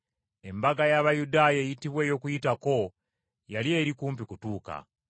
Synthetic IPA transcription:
e̞mbaɡajaβajudaːjejitiβwe̞ːjo̞ːkujitako̞ | jalie̞ːɾikuːmp̬ikutuːka̰

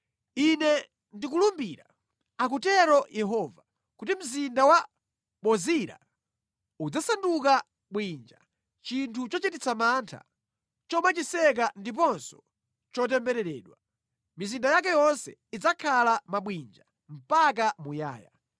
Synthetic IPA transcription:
inɛ | ndik̬ulumbiɾa | ak̬utɛɾɔjʔɛɦɔva | kutim̩zindawa | ɓɔziɾa̰ | ud͡zasanduka | ɓwind͡ʒa | t͡ʃintʰut͡ʃɔt͡ʃitit͡sʰamantʰa̰ | t͡ʃɔmat͡ʃisɛk̬andip̬ɔnsɔ̥ | t͡ʃɔt̬ɛmbɛɾɛɾɛ̰ːɗwa | mizindajak̬ɛjɔnsɛid͡zakʰalamaɓwind͡ʒa | m̩pak̬amuja̰ːja̰

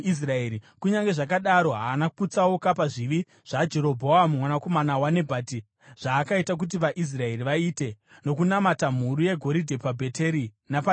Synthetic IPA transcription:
is̬raeːɾikuɲaŋɡe̞ʐak̬aɗaɾo̞ɦaːnakut͡sawokapaʐiʋi | ʐ̥ad͡ʒe̞ɾo̞bʱo̞amumwanako̞manawane̞bʱaːti | ʐ̥aːkaitak̬ut̬iʋaʔis̬rae̞riʋaiːte̞ | no̞k̬unamatam̤uɾuje̞ɡʱo̞ɾidʱe̞pabʱe̞tʰe̞ɾi | napa

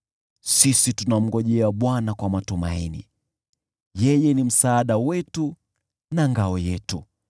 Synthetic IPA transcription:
sisitunam̩ɡɔʄɛaɓwanakwamatuma̰inḭ | jɛjɛnim̩saːɗawɛtu | naŋɡaɔjɛtu

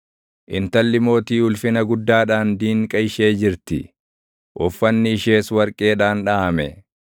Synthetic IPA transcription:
ʔɪnt̪ɐlːɪmo̞ːt̪iːʊlfɪnɐɡʊd̪ːaːᶑaːnd̪iːŋkʼɐjɪʃe̞ːd͡ʒɪɾt̪ɪ | ʔɔfːɐnːɪːʃe̞ːswɐɾkʼe̞ːᶑaːnᶑaːɐmɛ

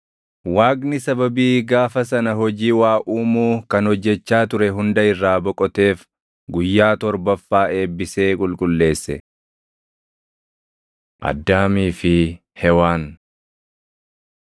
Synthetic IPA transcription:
waːɡnɪsɐbɐbiːɡaːfɐsɐnɐɦɔd͡ʒiːwaːʔuːmuːkɐnhɔd͡ʒːɛt͡ʃːaːt̪ʊɾɛɦʊnd̪ɐɪrːaːbɔkʼɔt̪e̞ːf | ɡʊjːaːt̪ɔɾbɐfːaːʔe̞ːbːɪse̞ːkʼʊlkʼʊlːe̞ːsːɛ̰ | ʔɐ̰d̪ːaːmiːfɪ | hɛwaːn

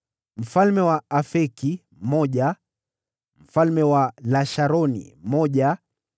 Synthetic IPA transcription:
m̩falmɛwaafɛki | m̩mɔʄa | m̩falmɛwalaʃaɾɔnḭm̩mɔʄa

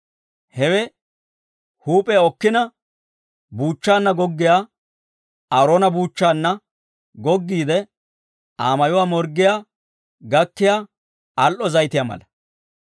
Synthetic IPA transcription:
hɛwɛ | huːpʼɛjɔkːɪnɐ | buːt͡ʃːaːnːɐɡɔɡːɪjaː | ɐɾoːnɐbuːt͡ʃːaːnːɐ | ɡɔɡːiːd̪ɛ | ʔaːmɐjʊwaːmɔɾɡːɪjaː | ɡɐkːɪjaː | ɐlʔɔzɐjt̪ɪjaːmɐ̰lɐ

